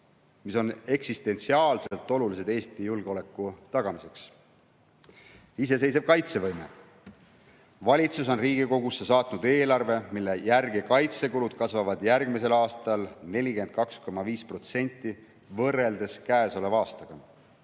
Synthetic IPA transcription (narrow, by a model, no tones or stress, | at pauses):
miso̞ne̞ksist̪e̞nt̪siɑːlselt̪ːˑo̞lulis̬e̞d̪e̞ːst̪ijulɡ̥eo̞le̞kːˑut̪ɑɡ̥ɑmise̞ks | ise̞s̬e̞js̬eb̥̚kɑjt̪se̞vɤjme̞̰ | vɑlʲit̪suso̞nriːɡ̥iko̞ɡusːe̞sɑːt̪nud̪e̞ːlɑrve̞milːejærɡ̥ekɑjt̪se̞kulud̪̥̚kɑsvɑvɑd̪jærɡmise̞lɑːst̪ɑlne̞lʲike̞nt̪̚kɑksko̞mɑviːspro̞t̪se̞nʲt̪ːˑi | vɤrːe̞ld̪̥e̞skæːso̞le̞vɑːst̪ɑɡ̥ɑ